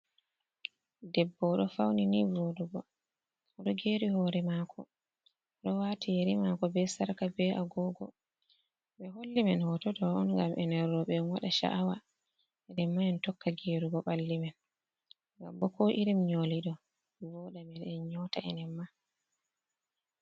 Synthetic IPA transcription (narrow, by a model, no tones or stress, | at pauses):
dɛbːɔɗɔfawninivoduɡɔ | ɔɗɔɡeːɾihɔːɾɛmakʰɔ | ɔɗɔwaːtijeɾimakɔbɛsaɾkabɛaɡɔɡɔ | ɓɛɦolːimɛnhɔtɔtɔɔnŋɡamʔɛnɛɾːɔɓɛɔnwaɗaʃa̰ʔːwa | ɛnɛmːaɛntɔkːaɡeɾuɡɔɓalːimɛn | ɡa̰mbɔkɔʔiɾimɲoliɗɔ | vɔɗamɛnɛɲɔtaɛnɛmːa